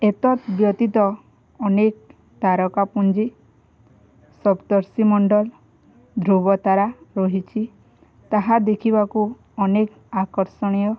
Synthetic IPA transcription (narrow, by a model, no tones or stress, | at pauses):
et̪ɔt̪bjɔt̪it̪ɔː | nek | t̪aɾɔkapund͡ʒi | sɔbt̪ɔɾsimɔɳɖɔl | d̪ʱɾubɔt̪aɾaɾɔɦit͡ʃʰi | t̪aɦad̪ekʰibaku | ɔnek | akɔɾsɔɽ̃ijɔ